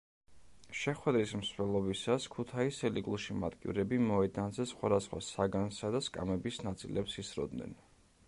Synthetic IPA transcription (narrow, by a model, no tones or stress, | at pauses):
ʃɛχwɛd̪ɾismsvɛlˠɔbisaskʰut̪ʰaisɛliɡulˠʃima̰d̪kʼḭvɾɛbimɔɛd̪anzɛsχwad̪asχwa̰saɡansad̪askʼa̰mɛbisnat̪sʼḭlɛpsisɾɔ̰d̪nɛ̰n